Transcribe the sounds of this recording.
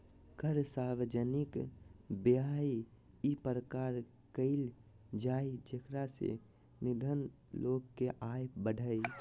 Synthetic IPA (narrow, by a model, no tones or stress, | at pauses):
kʰəɾsaːɾʋəd͡ʒənɪkbjai | ipəɾəkaːɾ | kəɪl | d͡ʒaːid͡ʒekɾasḛ | nɪd̪ʱən | loːɡkeʔaːjbəɖʱəi